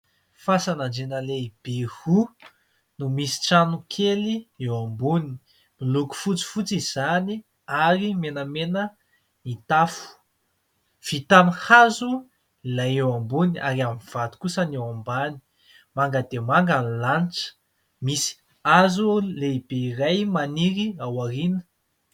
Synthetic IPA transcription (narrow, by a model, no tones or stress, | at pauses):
fasanaɳd͡ʒenəleib̥ehu | numisi̥ʈ͡ʂanukʰeliewambuni̥ | miluku̥fut͡si̥fut͡siz̥ani | aɾimenəmenə | nit̪afu̥ | v̥it̪amihazu | ilajewambuniʔa̰ɾiamiv̥at̪u̥kusənewambani̥ | maŋɡəd̪emaŋɡanlanʈ͡ʂə̥ | misi̥ | azuleibeirajmaniɾiawaɾinə̥